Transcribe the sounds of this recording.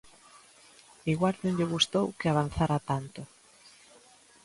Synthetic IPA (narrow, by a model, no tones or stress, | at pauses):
iɣwaɾðoɲʎɪɣ̞ust̪owkɪaβ̞anθaɾat̪ant̪ʊ